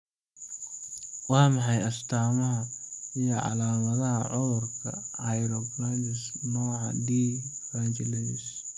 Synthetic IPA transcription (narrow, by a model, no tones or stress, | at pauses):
wɑːmɑħɑjɐst̪ʰaːmɐɦɐijɔʕɑ̰laːmɐðɐɦɐʕʊðʊrkʰɐ̰ɐjɾɔɡland̪ɪsnɔːʕɑ̰d̪iːfant͡ʃɛlɛɪs